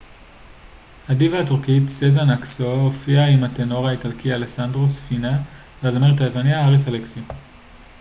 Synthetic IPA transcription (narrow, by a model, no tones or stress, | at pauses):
hadivahːtuʁkitsezanaksoofiaimateno̞ʁaitalkialesandʁosfina | veazameʁetaevanjaaʁisaleksi